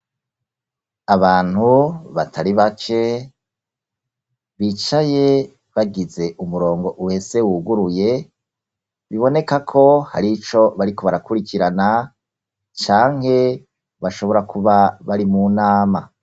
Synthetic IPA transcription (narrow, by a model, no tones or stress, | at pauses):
aβaːn̥huβatʰaɾiβakʰe̞ | βit͡ʃaje̞ | βaɡize̞ʔumuɾo̞ːŋɡo̞ʔuwe̞se̞wuːɡuɾuje̞ | βiβo̞ne̞kakʰo̞ha̰ɾit͡ʃo̞βaɾiko̞βaɾakuɾikiɾana | t͡ʃaːŋɦhe̞ | βaʃo̞βo̞ɾakʰuβaβaɾimunaːma